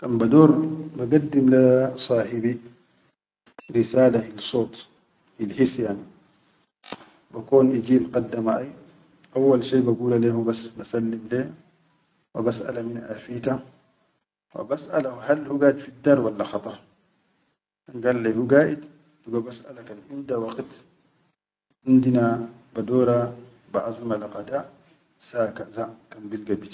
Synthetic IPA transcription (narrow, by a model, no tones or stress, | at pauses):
kambad̪oːɾbaɡad̪ːimlasˤɑːħibi | ɾisaːlahilsoːt̪ˤ | hilhisjaʕni | bakoːnʔid͡ʒiːlqɑd̪ːamaʔaj | ʔawːalʃeːbaɡuːlaleːhubasnasalːimle | wa̰basʔa̰laminʔaːfiːt̪a | wa̰basʔa̰lahalhuɡaːd̪fid̪ːɑɾˤwalːaxɑt̪ˤɑɾˤ | kanɡaːlalehuɡaːʔid̪ | duɡobasʔa̰lakanʔind̪awɑqt̪ | ʔind̪inabad̪oːɾa | baʔɑzˤimalaqad̪aʔ | sakazakanbilɡabit̪